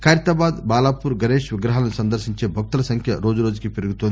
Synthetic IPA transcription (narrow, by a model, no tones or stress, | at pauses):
kʰaːɾjɐt̪aːbaːd̪baːlaːpuɾɡɐɾeːʃʋɪɡɾɐɦalɐnusɐnd̪ɐɾʃiɲt͡ʃeːbʱɐk̚t̪ɐlɐsɐŋkʰjɐɾoːd͡ʒɐɾoːd͡ʒukipiɾuɡut̪oːn